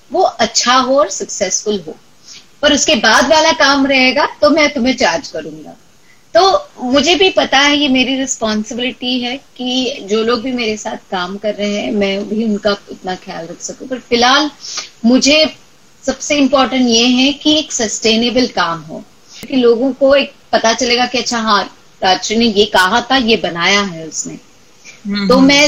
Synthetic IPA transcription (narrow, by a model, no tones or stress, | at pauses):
ʋoʔɐtːʃʰaɦoɔːɾsɐksɛsfʊlɦo̰ː | ɐɾʊskebaːd̪ʋaːlakaːmɾɐɦeːɡat̪omɛ̃ːt̪ʊmẽt͡ʃaːɾd͡ʒkɐɾũːŋɡa̰ː | t̪oːmʊd͡ʒʱebʱipɐt̪aɦɛjemeːɾiɾɪspɔːnsɪbɪlɪʈiɦɛkid͡ʒoːloːɡ̚bʱimeːɾesaːt̪ʰkaːmkɐɾːeɦeɦɛ̃mɛ̃bʱiʊnkaɪt̪naxɪja̰ːlɾɐkʰsɐkũpɐɾfɪlɦaːlmʊd͡ʒʱe | sɐbseɪ̃mpɔːɾʈə̃ɳʈjeɦɛkieːksɐsʈeːnebəlkaːmɦo̰ː | kiloːɡõkoeːk̚pɐt̪at͡ʃɐleːɡakiɐtːʃʰaɦãː | aːʃnejekɐɦat̪ʰajebɐnaːjaɦɛʊsneː | t̪oːmɛ̃